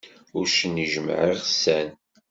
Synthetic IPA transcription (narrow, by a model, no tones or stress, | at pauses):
ʊɾʃənːiʒmə̰ʕiʁsæn